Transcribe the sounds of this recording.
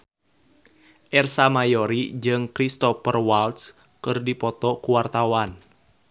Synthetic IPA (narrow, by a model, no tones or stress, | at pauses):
ʔɛrsamajɔɾid͡ʒɨŋkɾist̪ɔfərwalt̪s | kɨrdipɔt̪ɔkuwart̪awan